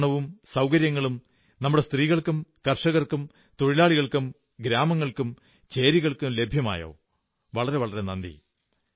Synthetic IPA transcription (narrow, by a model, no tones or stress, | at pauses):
ɳɐʋumsɐwkɐɾjɐŋːɐɭum | nɐmːuɽe̞st̪riːɣɐɭkumkɐrʂɐɣɐrkum | t̪oɻilaːɭiɣɐɭkum | ɡɾaːmɐŋːɐɭkum | t͡ɕe̞ːɾiɣɐɭkɨle̞bʱjɐma̰ːjo̰ː | ʋɐɭɐɾeʋɐɭɐɾe̞nɐnd̪ḭ